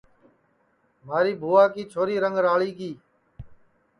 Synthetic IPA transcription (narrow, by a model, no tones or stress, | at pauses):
maːɾiːbʱuːaːkiːt͡ʃʰoːɾiːɾəŋɡɾaːɭiːɡiː